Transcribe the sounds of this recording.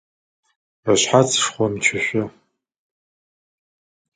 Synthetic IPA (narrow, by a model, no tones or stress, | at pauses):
aɕħat͡sʰʼʂχʷɔmt͡ʃʰɪɕʷɐ